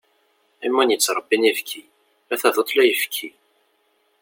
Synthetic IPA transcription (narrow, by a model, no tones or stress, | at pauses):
imːænjət͡sːɾˤəbːinifkʰi | æθæðot̪ˤlæjəfkʰːi